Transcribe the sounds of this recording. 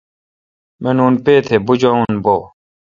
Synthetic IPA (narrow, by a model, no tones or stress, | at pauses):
menuːnpeːt̪ʰeːbud͡ʑaũnboː